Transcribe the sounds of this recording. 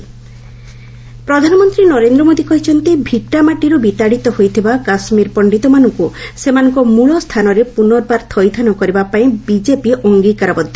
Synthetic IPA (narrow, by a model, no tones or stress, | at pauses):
pɾɔd̪ʱanɔmɔnt̪ɾinɔɾend̪ɾɔmod̪ikɔɦit͡ʃʰɔnt̪ibʱik̚ʈamaʈiɾubit̪aɽit̪ɔhojt̪ʰibakasmiɾpɔɳɖit̪ɔmanɔŋkusemanɔŋkɔmuɭɔst̪ʰanɔɾepunɔɾbaɾt̪ʰɔjt̪ʰanɔkɔɾibapaĩbid͡ʒepiʔoŋɡikaɾɔbɔd̪ʱːɔ